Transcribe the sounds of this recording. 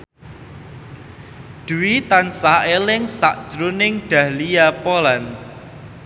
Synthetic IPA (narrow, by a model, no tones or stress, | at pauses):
d̪̥uwit̪ansaelɪŋsa̰ʔd̥ʒ̥ɾunɪŋɖ̪̥ä̤hlijapolan